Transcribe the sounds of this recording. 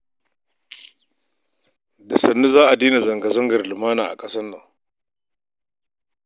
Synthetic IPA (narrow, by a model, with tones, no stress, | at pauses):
da˨sɐ˨nːu˦zaː˦ʔa˨diː˦ni˨zɐ˨ŋɡa˨zɐ˦ŋɡɐ˨rlɪ˨maː˦naː˨ʔa̰˨kʼɐ˦sɐ˦nːɐ˨ŋ